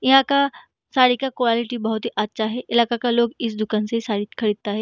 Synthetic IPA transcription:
jɐɦãka | saːɽikakoɛːlɪʈibɐɦʊt̪ɦiʔɐtːʃʰaɦɛʔɪlaːkakaloːɡɪs̬d̪ʊkaːnsesaːɽikʰɐɾiːd̪̚t̪aɦɛː

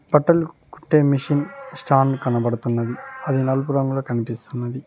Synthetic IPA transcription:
bɐʈːɐlkuʈːe̞ːmiʂinsʈʰaːnkɐnɐbɐɽut̪unːɐd̪iɐd̪inɐlupuɾɐŋɡulɐkɐnipist̪unːɐd̪i

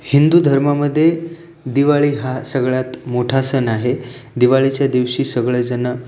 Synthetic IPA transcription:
hind̪uːd̪ʱəɾmaməd̪ʱːje | d̪iʋaɭiːɦasəɡɭat̪moʈʰasənaɦed̪iʋaɭit͡ɕjad̪iʋɕiːsəɡɭəd͡zəna

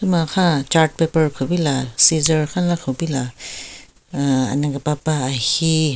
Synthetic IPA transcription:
tumakʰat͡ʃaɾʈ̚pepəɹkʰubilasizəɹkʰanlakʰɔbila | a̰naɡepapaːhi

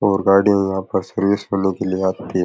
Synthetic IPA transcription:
ɔːɾɡaːɖijãjɐɦãpɐɾsɐɾʋɪsɦoːnekelieaːt̪t̪ʰːiː

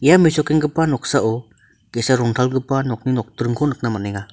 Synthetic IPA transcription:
ijamisɔkeŋɡɯpanɔk̚saʔɔ | kesaɾɔŋtʰalɡɯpanɔk̚ninɔk̚tɾɯŋkʰɔnɯk̚namaneŋa

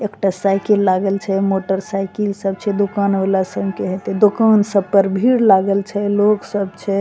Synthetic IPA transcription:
ekʈasajkilːaɡəlt͡ʃʰɛmoʈəɾsajkilsəbt͡ʃʰɛd̪ukanolasəbʱkeɦot̪ɛd̪okansəbpəɾbʱiɽlaɡəlt͡ʃʰɛloksəbt͡ʃʰɛ

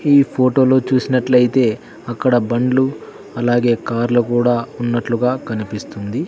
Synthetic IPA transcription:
iːpʰoːʈo̞ːlo̞ːt͡ʃuːsinɐʈlɐjit̪e̞ː | ɐkːɐɽɐbɐɳɖlu | ɐlaːɡe̞ːkaːɾlukuːɽaːunːɐʈluɡaːkɐnipist̪und̪i

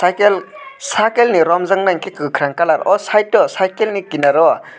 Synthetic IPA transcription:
sajkelsakelniɾɔmzaŋnaŋkikɯkʰɾaŋkalaɾʔɔsaj̚ɔsajkelnikinaɾɔ

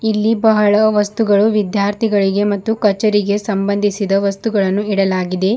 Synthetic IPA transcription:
ilːibɐɦɐɭɐʋɐst̪uɡɐɭuʋid̪jaːɾt̪ʰiɡɐɭiɡe̞mɐt̪ːukɐt͡ʃːɐɾiɡe̞sɐmbɐnd̪ʱisid̪ɐʋɐst̪uɡɐɭɐnːuiɽɐlaːɡid̪e̞

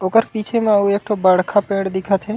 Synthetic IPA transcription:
oːkəɾpiːt͡ʃʰemãuːeːk̚ʈʰobəɽ̤kʰapẽːɽd̪ɪkʰat̪ʰe

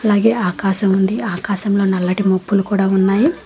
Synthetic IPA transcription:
ɐlaːɡe̞ːaːkaːʃɐmund̪iaːkaːʃɐmlo̞ːnɐlːɐʈimopːulukuːɽaːunːaːji

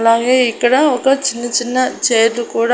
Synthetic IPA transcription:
laːɡe̞ːikːɐɽɐɔkɐt͡ʃinːɐt͡ʃinːɐt͡ʃeːɐd̪lukuːɽ

